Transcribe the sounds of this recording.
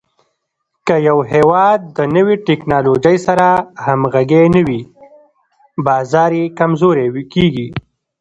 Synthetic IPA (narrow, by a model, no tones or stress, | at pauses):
kəjawɦewɑd̪̚ːənəwiʈɪknɑlod͡ʒəjsaɾahamɣaɡenəwi | bɑzɑɾekamzoɾewkiɡi